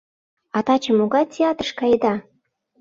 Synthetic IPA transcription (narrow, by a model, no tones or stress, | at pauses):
ɑt̪ɑt͡ɕə̆moɣɑt̪ʲʰeɑt̪ə̥ʃkɑjd̪ɑ